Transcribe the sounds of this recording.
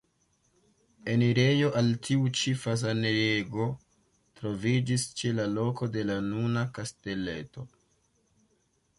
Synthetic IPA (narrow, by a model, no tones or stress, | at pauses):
e̞niɾe̞jo̞ʔaltʰiut͡ʃifazaneɾeɡo̞ | tɾo̞vid͡ʒist͡ʃe̞lalo̞ko̞de̞lanunakaste̞le̞to̞